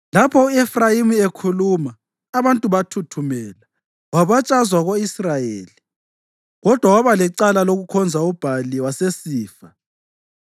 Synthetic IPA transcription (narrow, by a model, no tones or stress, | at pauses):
lapʰɔuɛfrajimiekʰulumaː | βantʼuβatʰutʰumɛːla | waβat͡ʃʼazwaɣoisrajeːli | ɣɔd̥ʱwawaβalɛǀalaloɣukʰɔnd͡zʱaub̥ʱaliwasesiːfa